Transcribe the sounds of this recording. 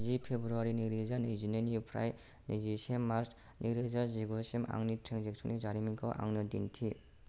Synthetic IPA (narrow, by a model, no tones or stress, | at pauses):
zipʰebɾuaɾiniɾizanajzinenipʰɾa̰j | nezisemmaɾs | niɾezaziɡosema̰ŋnitʰɾeŋzek̚sʰunizaɾimiŋkʰawʔa̰ŋnɯdintʰi